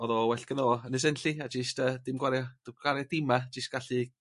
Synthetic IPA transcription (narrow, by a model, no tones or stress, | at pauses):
ɔðɔwɛɬɡ̥əðoːənɛs̬ɛnɬiad͡ʒɪstʰəːd̥ɪmɡwaɾjɔd̥ɡwaɾjɔdɪmad͡ʒɪst̚ɡ̥aɬi